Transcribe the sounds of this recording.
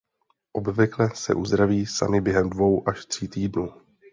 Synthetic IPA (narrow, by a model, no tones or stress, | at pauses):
ʔo̞bvɪklɛsɛ̰ʔuzd̪ɾaviːsa̰mɪbjɛɦɛmdvo̞wʔaʃt̪r̥iːt̪iːdnuː